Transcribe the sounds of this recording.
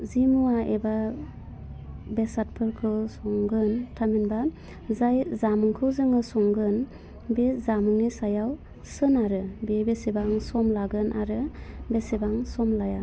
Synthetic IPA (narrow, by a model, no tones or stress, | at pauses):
zimuaʔeba | besat̚pʰɯɾkʰɯsɔŋɡɯntʰaminba | zajzamɯŋkʰɯwzɯŋɯsɔŋɡɯn | bezamɯŋnisajaw | sɯnaɾɯbebesebaŋsɔmlaɡɯnʔaɾɯbesebaŋsɔmlaja